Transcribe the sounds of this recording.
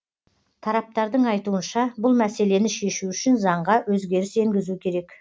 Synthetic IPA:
t̪ʰɑɾɑp̚t̪ɑɾd̪əɴɑjt̪uənʃɑbʊlˠmæse̞le̞nɪʃe̞ʃuʏʃɪnzɑɴʁɑwɵzɡʲe̞ɾɪse̞ŋɡʲɪzukʲʰe̞ɾe̞k

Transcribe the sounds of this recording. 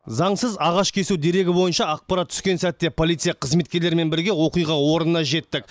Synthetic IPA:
zɑɴsəzɑʁɑʃkʲʰe̞sud̪e̞ɾe̞ɡʲɪbo̞jənʃɑːq̚pɑɾat̪ʰːʏ̥skʲe̞nsæt̪ːe̞pʰo̞lˠijt̪sɨjɑqʰəzme̞t̪kʲe̞ɾleɾme̞nbɪɾɡʲe̞wo̞qijʁɑwo̞ɾnənɑʒe̞t̪ːɪk̚

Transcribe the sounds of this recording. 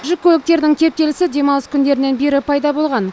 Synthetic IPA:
ʒɪkʲʰɵlɪk̚t̪e̞ɾɪd̪ɪŋt̪ʲʰe̞p̚t̪e̞lɪsɪd̪e̞mɑlˠəskʲʰʏnd̪e̞ɾɪne̞nbe̞ɾɪpʰɑjd̪ɑbo̞lˠʁɑn

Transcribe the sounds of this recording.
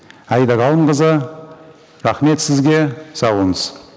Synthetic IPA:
æjd̪ɑɡɑlˠəɴqəzə | ɾɑχme̞t̪sɪzɡʲe̞sɑwənəz̥

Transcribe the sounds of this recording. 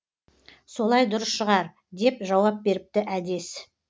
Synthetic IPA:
so̞lˠɑjd̪ʊɾəsʃəʁɑɾ | d̪e̞pʒɑwɑp̚be̞ɾɪp̚t̪ɪʔæd̪e̞s

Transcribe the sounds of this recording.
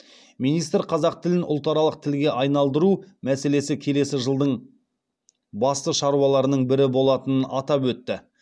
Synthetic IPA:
mijnijst̪ɾqʰɑzɑq̚t̪ʰɪlɪnʔʊ̰lˠt̪ɑɾɑlˠəq̚t̪ʰɪlɡʲe̞ʔɑjnɑlˠd̪əɾumæse̞le̞sɪkʲʰe̞le̞sɪʒəlˠd̪əɴ | bɑst̪əʃɑɾuwɑlˠɑɾənəɴbɪɾɪbo̞lˠɑt̪ənənɑt̪ɑpwɵt̪ːɪ

